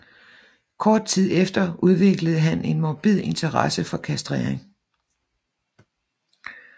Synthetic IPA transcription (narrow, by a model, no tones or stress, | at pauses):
kʰɒːd̥̚t͡sʰið̞̰ˠefd̥ɐʔuð̞ˠʋe̝ɡ̥ləð̞̩ˠəɦæne̝nmɒb̥ið̰ˠe̝nt͡sʰɐʁɑ̰səfɒ̽kʰæsd̥ʁeɐ̰eŋ